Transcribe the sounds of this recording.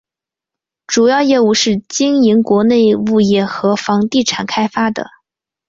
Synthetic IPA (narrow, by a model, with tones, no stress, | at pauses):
ʈ͡ʂu˨˩jɑ˥˧ʊjɛ˥˧u˥˧ʂɻ̩˥˩t͡ɕi˥ŋi˧˥ŋkwɔ˧˥ne˥˧ɪu˥˧jɛ˥˩xɤ˧˥fɑ˧˥ŋt̪i˥˩ʈ͡ʂʰa˨˩nkʰa˥ɪfa˥d̪ə̰˩